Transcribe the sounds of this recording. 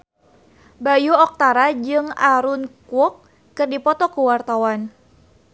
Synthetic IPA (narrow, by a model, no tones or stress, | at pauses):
bajuɔk̚t̪aɾad͡ʒɨŋaɾunkwɔkː | ɨrdipɔt̪ɔkuwart̪awan